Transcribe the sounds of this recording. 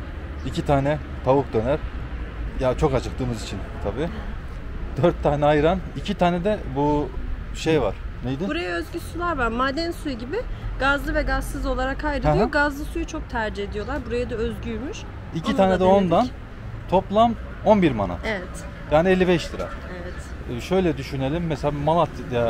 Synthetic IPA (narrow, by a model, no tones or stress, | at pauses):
icit̪ʰaːnɛ | t̪ʰavuk̚d̪ø̞næɾ̥ | jat͡ʃʰo̞kad͡ʒʰɯk̚t̪ʰɯːmɯzit͡ʃʰint̪ʰabiː | d̪øɾt̪ʰːaːnɛajɯɾanicʰit̪ʰaːnɛd̪ɛbu | ʃejva̰ɾ̥nejd̪ɪbuɾajaø̞zɟysulˠaɾvaɾmaːd̪ænsujuɟibɪɡ̥azlˠɯvɛɡazɯzo̞lˠaɾakʰːajdɾed̪ijoɡazlˠɯsujut͡ʃʰo̞k̚t̪ʰæɾd͡ʒiɦe̞d̪ijo̞lˠaɾbuɾajad̪aøzɟyjmyʃ | icʰit̪aːnɛd̪ɛo̞nd̪an | t̪ʰo̞plˠam | o̞nbiɾma̰na̰evɛt̪ | jaːniɛlʲːibɛʃd̪ɯɾa̰evɛt̪ːʃø̞jlʲɛd̪yʃyne̞lʲimːɛselʲaimalˠat̪ʰja